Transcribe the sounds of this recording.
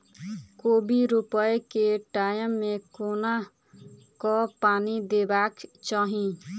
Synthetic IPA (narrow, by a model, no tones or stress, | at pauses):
koːbiɾʊpəekeʈaːjəmːẽkoːna | kɔpaːnid̪eːbaːkt͡ʃaːɦĩ